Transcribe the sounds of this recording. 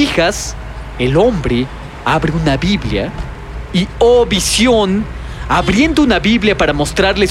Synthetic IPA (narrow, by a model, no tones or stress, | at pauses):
ixas | elo̞mbɾe | aβɾeunaβiβlja̰ | ioβisjo̞n | aβɾje̞nd̪ounaβiβljapaɾamo̞st̪ɾaɾle